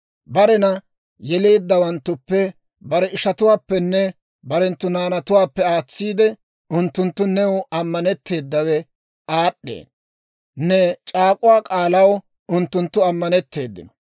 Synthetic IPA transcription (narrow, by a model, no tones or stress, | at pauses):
bɐɾɛnɐ | jɛle̞ːd̪ːɐwɐnt̪ːʊpːɛ | bɐɾɛɪʃɐt̪ʊwaːpːɛnːɛ | bɐɾɛnt̪ːʊnaːnɐt̪ʊwaːpːɛaːt͡sːiːd̪ɛ | ʊnt̪ːʊnt̪ːʊnɛwɐmːɐnɛt̪ːe̞ːd̪ːɐwɛ | aːɗːḛːn | nːɛt͡ʃʼaːkʼʊwaːkʼaːlɐw | ʊnt̪ːʊnt̪ːʊɐmːɐnɛt̪ːe̞ːd̪ːɪ̰nɔ̥